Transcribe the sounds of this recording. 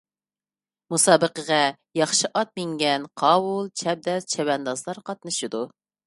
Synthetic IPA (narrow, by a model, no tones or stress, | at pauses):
musɑːbəqəʁɑ | jɑχʃɪʔɑt̪̚mɪŋɡʲɛnqʰɑːwulˠt͡ʃʰɛb̚d̪ɛst͡ʃʰɛwɛnd̪ɑzlˠɑɾqʰɑt̪̚nɨʃɨd̪u